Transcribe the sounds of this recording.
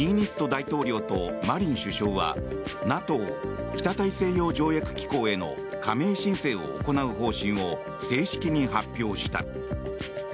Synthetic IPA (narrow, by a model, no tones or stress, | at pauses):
iɲ̟isɨ̥t̪o̞d̪ait̪o̞ːɾʲo̞ːt̪o̞maɾʲĩɰ̃ɕɨɕo̞ːβa̰nat̪o̞ːkʲi̥t̪at̪aise̞ːjo̞ːd͡ʑo̞ːjakɯ̟̥kʲi̥ko̞ːe̞no̰ | kame̞ːɕĩɰ̃se̞ːo̞̰ːko̞naɯ̟ɦo̞ːɕĩɰ̃o̞ | se̞ːɕi̥kʲiɲ̟iɦapʲːjo̞ːɕi̥t̪a̰